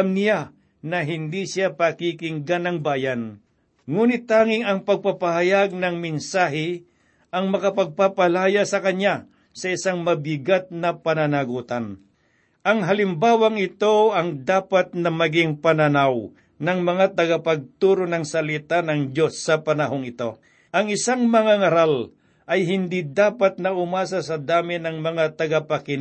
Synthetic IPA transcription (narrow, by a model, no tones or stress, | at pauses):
mnɪja | nɐɦɪnd̪isɪapɐkikɪŋɡanɐŋbaːjɐn | ŋuːnɪt̪ːaːŋɪŋɐŋpɐɡ̚papɐhɐjaɡ̚nɐŋmɪnsaːɦɪ | ʔɐŋmɐkɐpɐɡ̚papɐlaːjasɐkɐɲa | sɐɪsaŋmɐbɪɡat̪̚nɐpɐnɐnaɡuːt̪ɐn | ʔɐŋɦɐlɪmbaːwɐŋɪt̪o̞ɐŋd̪aːpɐt̪̚nɐmɐɡɪŋpɐnɐnaw | nɐŋmɐŋat̪ɐɡɐpɐɡ̚t̪uːɾonɐŋsɐlit̪anɐŋd͡ʒo̞sːɐpɐnɐɦo̞ŋɪt̪o̞ | ʔɐŋɪsaŋmɐŋaŋɐɾal | ʔɐjɦɪnd̪id̪aːpɐt̪̚nɐʊmaːsasɐd̪aːmɪnɐŋmɐŋat̪ɐɡapɐkɪn